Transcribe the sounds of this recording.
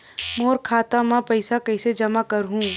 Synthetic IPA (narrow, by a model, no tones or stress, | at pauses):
moːɾkʰaːt̪amãpɐɪsakɐɪsed͡ʒɐmakɐɾɦũ